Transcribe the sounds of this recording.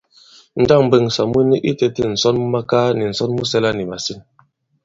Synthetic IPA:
n̩˦da˦˨ŋm̩˨bə˦˨ŋsa˨mwu˦ni˦ʔi˦te˦te˦˨n̩˨sɔ˦n˦ma˦ka˦ni˨n̩˨sɔ˦nmu˦sɛ˦la˦ni˨ma˨si˦n

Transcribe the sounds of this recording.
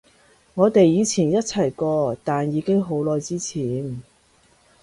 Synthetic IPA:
ŋɔː˨˧t̪e˨jjiː˨˧t͡sʰiː˨˩njɐ˥t̚t͡sʰɐ˨˩jkɔː˧t̪aː˨njiː˨˧kɪ˥ŋɦo˨˥wlɔː˨˧jt͡siː˥t͡sʰiː˨˩n

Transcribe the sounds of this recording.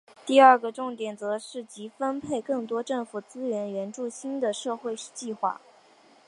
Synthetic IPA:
t̪i˥˧ə˞˥˩ɡə˩ʈ͡ʂʊ˥˩ŋt̪jɛ˨˩nt͡sɤ˧˥ʂɻ̩˥˩t͡ɕi˧˥fə˥npʰe˥˧ɪkɤ˥˩ŋt̪wɔ˥ʈ͡ʂɤ˥˩ŋfu˨˩t͡sɹ̩˥ɥɛ˧˥nɥɛ˧˥nʈ͡ʂu˥˩ɕi˥nd̪ə˨ʂɤ˥˧xwe˥˧ɪt͡ɕi˥˧xwa̰˥˩

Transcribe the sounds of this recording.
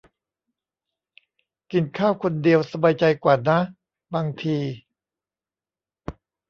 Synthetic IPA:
ki˨˩nkʰaː˥˩wkʰo˧ndi˧əwsa˧baː˧jt͡ɕa˧jkwaː˨˩na˦˥ | baː˧ŋt̪ʰiː˧

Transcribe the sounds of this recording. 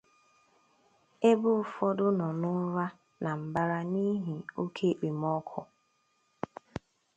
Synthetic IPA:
e˦bʊ˦fɔ˦dʊ˦nɔ˨nʊ˦ɾa˦ | na˨m̩˨ba˦ɾa˦ni˦ɦi˨o˦kʰe˦˨k͡pe˨m˦ɔ˦kʰʊ˨

